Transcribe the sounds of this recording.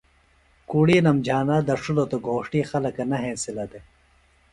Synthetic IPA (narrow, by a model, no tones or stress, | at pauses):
kuːɽiːnɐmd͡ʑʱaːnad̪ɐʂulot̪oɡʱoːʂʈiːxɐlɐkɐnɐɦẽːnsilɐd̪e